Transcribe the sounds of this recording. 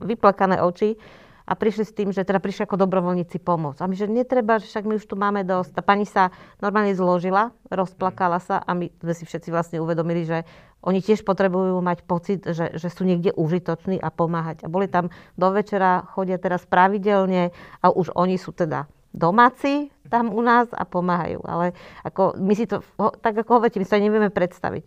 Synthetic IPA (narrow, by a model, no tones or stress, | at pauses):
ʋiplakanɛ̰ʔɔt͡ʃi | ʔa̰pɾiʃlist̪iːmʒɛt̪ɛd̪apɾiʃliakɔd̪ɔbɾɔʋɔlɲiːt͡sipɔmʊɔt͡samiʒɛɲɛt̪ɾɛbaʒɛfʃaɡmiuʃt̪umaːmɛd̪ɔsc̚t̪apaɲisanɔɾmaːlɲɛzlɔʒilaɾɔsplakalasa̰ʔamizmɛsifʃɛt̪t͡siʋlasɲɛuʋɛd̪ɔmiliʒɛ | ʔɔɲicɪɛʃpɔt̪ɾɛbujuːmacpɔt͡sid̪ʒɛ̰ʒɛsuːɲɪɛɡɟɛʔuʒit̪ɔt͡ʃniːʔapɔmaːɦaɟabɔlit̪amd̪ɔʋɛt͡ʃɛɾaxɔɟɪat̪ɛɾaspɾaʋiɟɛlɲɛʔaʔuʒɔɲisuːt̪ɛd̪a̰ | d̪ɔmaːt͡siːt̪amunaːza̰pɔmaːɦa̰jṵːʔa̰lɛakɔmisit̪ɔɦɔt̪aɡakɔɦɔʋɔɾicɛmist̪aɲɛʋiɛmɛpɾɛt̪st̪a̰ʋḭc